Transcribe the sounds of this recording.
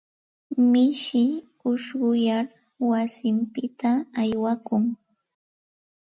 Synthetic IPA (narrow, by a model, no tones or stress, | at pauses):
mɪʃɪ | ʊʃɢʊjaɾ | wasɪmpɪt̪aːjwakʊŋ